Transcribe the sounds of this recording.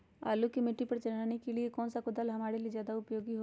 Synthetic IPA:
a̰ːlukimɪʈːipɐɾt͡ʃɐnaːnekeliekɔːnsakʊd̪əlɦɐmaːɽelizjaːd̪aʊpjoːɡiɦo

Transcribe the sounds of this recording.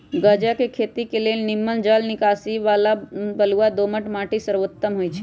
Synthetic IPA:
ɡəd͡ʒakekʰet̪ikelelnimːənd͡ʒalnɪkasiʋalabəluad̪oməʈmaʈisəɾʋot̪ːəmɦoːjt͡ʃʰe

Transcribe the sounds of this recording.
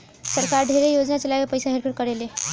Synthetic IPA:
səɾkaɾɖʱeɾejod͡ʒnat͡ʃəlaekepəɪsaɦeɾpʰeɾkəɾele

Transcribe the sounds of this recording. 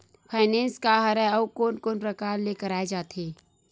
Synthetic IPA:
pʰaːɪnẽːnskaɦɐɾɛɔːkoːnkoːnɾɐkaːɾleːkəɾaːed͡ʒaːt̪eː

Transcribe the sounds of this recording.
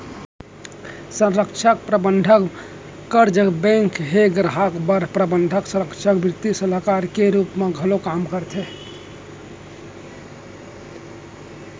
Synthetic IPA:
sə̃ɾəkt͡ʃʰək̚pɾəbənɖʱək | kəɾd͡ʒəbɛ̃ŋkɦeɡɾəɦəkbəɾpɾəbənɖʱəksə̃ɾəkt͡ʃʰəkbɾɪt̪isələkaɾkeɾupmeɡʱəlokamkəɾt̪ʰe

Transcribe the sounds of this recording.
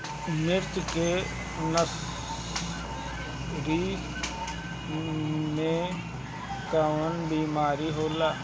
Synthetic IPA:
mɪɾt̪keː | nəs | ɾiː | nẽː | kəʋənbiːmaːɾiːɦoːlaː

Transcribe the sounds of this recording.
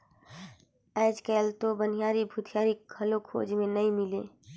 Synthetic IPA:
ɛːd͡ʒkɛːlt̪obən̤ijaːɾibʱut̪ʰjaːɾikʰəlokʰo̰ːd͡ʒmẽnəĩmɪleː

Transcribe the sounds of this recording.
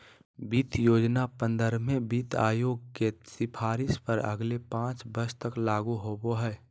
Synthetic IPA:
biːt̪joːd͡ʒnapə̃nd̪əɾmẽbiːt̪a̰ːjoːɡ̚kesɪpʰaːɾɪspəɾə̰ɡlepãːt͡ʃbəɾst̪əklaːɡuɦoːboɦɛː

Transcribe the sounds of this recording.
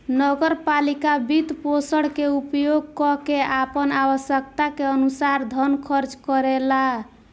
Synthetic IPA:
nəɡəɾpalikabit̪posəɽkeupjoɡ̚kɔkeapənawəsjək̚t̪akeənusaɾd̪ʱənkʰəɾt͡ʃkəɾela

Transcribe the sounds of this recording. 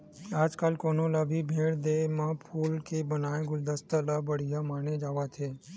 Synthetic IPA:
ad͡ʒkalkonõləbʱibʱeɭd̪emãpʰulkebənaẽɡʊld̪əst̪əlabəɽijamaned͡ʒaʋat͡ʃʰe

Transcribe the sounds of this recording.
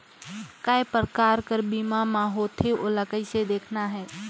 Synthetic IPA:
kaepɾəkaːɾkəɾbiːmamãɦoːt̪ʰeoləkəised̪eːkʰnaɦɛː

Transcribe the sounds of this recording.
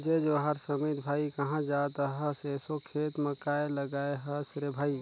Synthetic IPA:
d͡ʒed͡ʒoɦəɾsəmit̪bʱaːikəɦãd͡ʒat̪ɦəsesokʰeːt̪mə̃kaeləɡaːeɦəsɾebʱaːi

